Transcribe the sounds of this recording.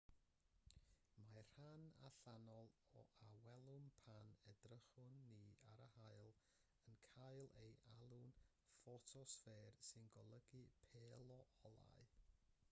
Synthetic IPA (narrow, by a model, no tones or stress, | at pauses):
mar̥hana̰ɬanɔlˠɔʔawɛlˠʊmpʰanɛdrəχʊnːia̰ɾəhajlˠ | ənkʰajlˠejʔalˠʊn | fɔtʰɔsfɛːrsɪnɡɔlˠəɡɨpʰeːlˠɔʔɔlˠa̰ɨ